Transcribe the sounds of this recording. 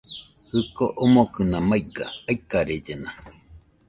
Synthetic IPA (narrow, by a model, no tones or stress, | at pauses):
hɯkoʔomokɯnamaiɡa̰ːikːaɾed͡ʒena